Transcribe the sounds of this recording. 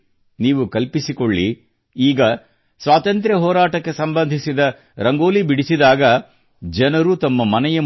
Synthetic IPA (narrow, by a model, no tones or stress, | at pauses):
niːʋukɐlpisikoɭːi | iːɡɐ | sʋaːt̪ɐnt̪̬ɾɐɦɔːɾaːʈɐkːe̞sɐmbɐnd̪ʱisid̪ɐ | ɾɐŋɡoːlibiɽisid̪aːɡɐ | d͡ʒɛnɐɾut̪ɐmːɐmɐnɛjɐ